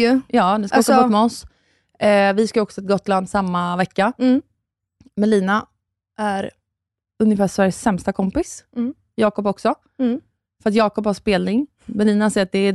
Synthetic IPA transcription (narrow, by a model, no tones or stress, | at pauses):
jɑːd̪ɛskaɔksɔb̪mɛɔs | vɪskaɔksɔɛt̪̚ɡɔt̪ːland̪samːavɛkːa | mɛnliːna | ʔæɾ | ɵnjəfæːʂːvæɾjəsːɛmst̪akʰɔmpɪs | jɑːkɔp̬ɔksɔ | fœɾat̪̬jɑːkɔphaʂpeːlnɪŋ | mɛnliːnahasɛːɾat̪̚d̪ɛ